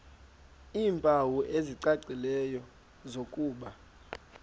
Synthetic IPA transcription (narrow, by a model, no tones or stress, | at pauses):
iːmpʼawuʔeziǀaǀilɛjɔ | zokʼuːɓa